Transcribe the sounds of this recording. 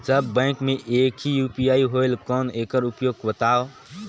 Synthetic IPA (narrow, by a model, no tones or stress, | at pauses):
d͡ʒəbːə̃ɪ̃kmẽʔekɦijupijaiɦoɪlkɔːneːkəɾupjoɡ̚bət̪aːo